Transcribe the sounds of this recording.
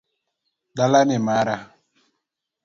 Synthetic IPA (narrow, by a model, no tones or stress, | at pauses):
ɗalanemaɾa